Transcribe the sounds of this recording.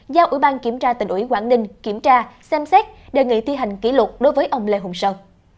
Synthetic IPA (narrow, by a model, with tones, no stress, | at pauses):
zaː˧wʔḭ˧˩ɓaː˧nki˧˩əmt͡ɕaː˧t̪ï˨˩ŋ̟ʔwḭ˧˩kwaː˧˩nɗï˧ŋ̟ki˧˩əmt͡ɕaː˧sɛ˧msɛ˦˥t̚ɗe˧˩ŋḭ˧˨t̪ʰi˧ɦa˨˩jŋ̟kḭ˧˥lwʊ˨˩t̚ɗo˨˦jvəː˨˦jʔə˧wŋ͡mlḛ˧˨ɦʊ˨˩ŋ͡msəː˧˩